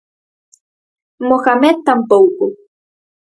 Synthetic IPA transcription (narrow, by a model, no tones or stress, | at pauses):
moxamet̪ːampowkʊ